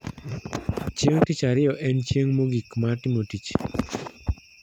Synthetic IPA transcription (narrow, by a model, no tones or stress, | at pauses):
t͡ʃjeŋtit͡ʃaɾɪjɔʔɛnt͡ʃjeŋmoɡikmatɪmotit͡ʃ